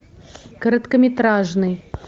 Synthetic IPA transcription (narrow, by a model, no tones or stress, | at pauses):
kəɾɐt̪kəmʲɪt̪ɾaʐnɨj